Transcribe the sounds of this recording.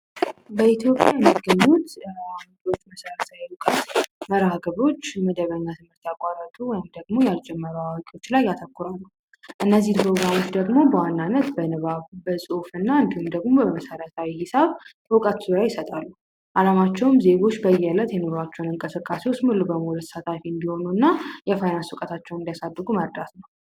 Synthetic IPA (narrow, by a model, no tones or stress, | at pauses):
bəit̪ʰjo̞pʼjajɛmːiɡːəɲːut̪ad̪o̞t͡ʃːməsəɾət̪ʰajɛwukʼət̪məɾaɡəβo̞t͡ʃːməd̪əβəɲːat̪ʰɨmɨɾt̪akʷʼaɾət̪ʰuwɔjɪmd̪əɡmo̞jald͡ʒɛmːəɾaawakʼo̞t͡ʃːlajːat̪ʰəkːʊɾalːu | ʔɨnːəzːipʰɾo̞ɡɾamo̞t͡ʃd̪əɡmo̞bəwanːanːət̪bənɨβaβbəsʼufɨnːaɨnd̪ihumd̪əɡmo̞bəəməsəɾət̪ʰawihɪsaβ | wɔkʼat̪z̥uɾajɪsət̪ʼalːu | ʔalamat͡ʃːɛwmze̞ɡo̞t͡ʃːbəjɛlːət̪jɛno̞ɾat͡ʃːɛwnɨŋkʼəsɨkʼːasewot͡ʃmɨlːubəmulusat̪ʰafiɨnd̪iho̞nunːajɛfajnanswɔkʼət̪ʰat͡ʃːɛwnɨnd̪ijasabːɨɡuməɾd̪at̪nəww